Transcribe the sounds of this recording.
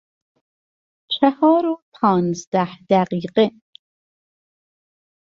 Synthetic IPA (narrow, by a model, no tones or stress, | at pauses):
t͡ʃʰæhɒːɾopʰɒːnzd̪æhd̪æɢiːɢe